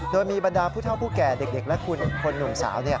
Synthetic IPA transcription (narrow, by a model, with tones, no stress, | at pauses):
doː˧jmiː˧ba˧ndaː˧pʰu˥˩t̪ʰa˥˩pʰu˥˩kɛː˨˩de˨˩k̚de˨˩k̚lɛ˦˥kʰu˧nkʰo˧nːu˨˩ŋsa̰ː˩˦wni˥˩ɐ